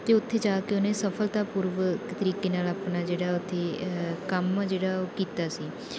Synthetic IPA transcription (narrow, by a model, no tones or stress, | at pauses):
t̪eːʊt̪ʰːeːd͡ʒaːkeonẽːsəpʰəlt̪aːpʊɾʋət̪əɾiːkeːnaːlaːpnaːd͡ʒeːɽaːʊt̪ʰːeːkəmd͡ʒeːɽaːoːkiːt̪aːsiː